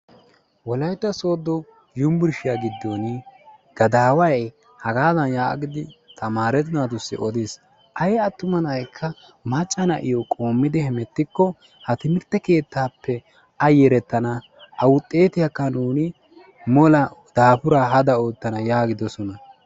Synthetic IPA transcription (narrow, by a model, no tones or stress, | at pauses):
wɔlɐjt̪ːɐso̞ːd̪ːɔ | jʊmbʊɾʃɪjaɡɪd̪ːonɪɡ̥ɐd̪aːwɐj | hɐɡaːd̪ɐnja̰ːɡɪd̪ɪt̪ʰɐmaːɾɛt̪ɪnat̪ʊsːɪ̰ʔɔd̪eːs | ʔɐjɐt̪ːʊmɐnjkʰːɐ | mɐt͡ʃʼːɐnɐʔɪjɔkʼo̞ːmːɪd̪ɪhɛmɛt̪ːɪkːɔ | hɐt̪ɪmɪɾt̪ːɛke̞ːt̪ːaːpːɛ | ɐjɛɾɛt̪ːɐnɐ | ɐwʊt̪ʼːe̞ːt̪ɪjakːɐnuːnɪ | mɔlɐd̪̥aːpʊɾaɦɐd̪ɐoːt̪ːɐnɐjaːɡɪd̪ɔsɔnɐ